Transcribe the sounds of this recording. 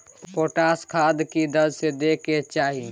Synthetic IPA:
poʈaskʰad̪kid̪əd͡ʒsed̪eket͡ʃaɦi

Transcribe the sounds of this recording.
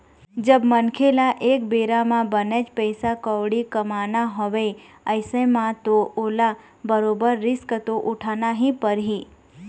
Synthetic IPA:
d͡ʒəbmənkʰelaʔekbeɾamãbəned͡ʒpəjsakəʋɽikəmanaɦɔʋe | əjsemãt̪oola | bəɾobəɾːɪskət̪oʔuʈʰanaɦĩpəɾɦi

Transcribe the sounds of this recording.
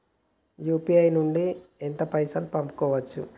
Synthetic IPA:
juːpiɐjnuɳɖient̪ɐpɐjsɐlpɐmpu̥kɔːʋɐt͡ʃːu

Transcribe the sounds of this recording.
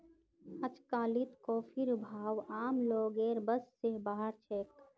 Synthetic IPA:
ɐt͡ʃkaːlɪt̪koːpʰɪɾbʱaːwaːmloːɡeːɾbɐsːebaːɦəɾt͡ʃʰeːk

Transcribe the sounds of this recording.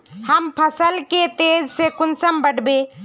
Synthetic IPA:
həmpʰəsəlket̪eːd͡ʒsekʊnsəmbəɽbeː

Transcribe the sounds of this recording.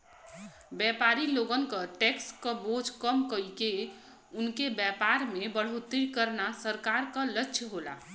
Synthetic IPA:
bjɛpaɾiloɡənkəʈekskəbod͡ʒkəmkəike | ʊnkebjɛpaɾmebəɽ̤ot̪iɾkəɾnasəɾkaɾkələtːʃʰɦola̰

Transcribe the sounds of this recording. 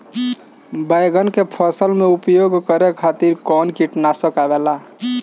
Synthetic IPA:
bəjɡənkepʰəsəlmeupjoɡkəɾekʰat̪iɾkɔnkiʈnasəkabela

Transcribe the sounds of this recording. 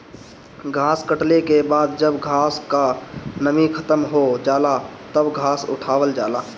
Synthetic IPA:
ɡʱaːskəʈlekebaːd̪̚d͡ʒəbɡʱaːskanəmikʰɐt̪əmɦod͡ʒaːlat̪əbɡʱaːsʊ̰ʈʰaːwəld͡ʒaːlaː

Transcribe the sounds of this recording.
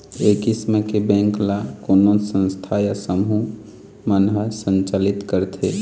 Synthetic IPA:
eːkismekebɛ̃ŋklakonosə̃nst̪ʰajasəmɦu | mənɦəsə̃nt͡ʃalit̪kəɾt̪ʰe

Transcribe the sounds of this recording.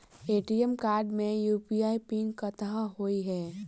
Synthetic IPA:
eːʈiɛmkaːɾɖmẽjuːpijaːipɪ̃ŋɡkːət̪aɦɦoiɦɛː

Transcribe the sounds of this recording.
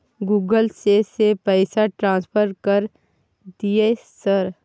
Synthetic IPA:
ɡuːɡəlsesepɛɪsaʈɾãːspʰəɾkəɾ | d̪iesəɾ

